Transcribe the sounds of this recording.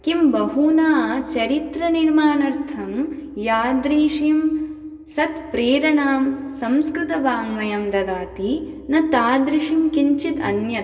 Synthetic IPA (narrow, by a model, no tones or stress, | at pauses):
kimbɐɦuːnaːt͡ʃɐɾit̪ɾɐniɾmaːnɐɾt̪ʰɐmjaːd̪ɾiːʃim | sɐt̪pɾeːɾɐnaːmsɐmskɾɪt̪ɐbaːŋʋɐjɐmd̪ɐd̪aːt̪i | nɐt̪aːd̪ɾiʃimkiɲt͡ʃit̪ɐ̰njɐt̪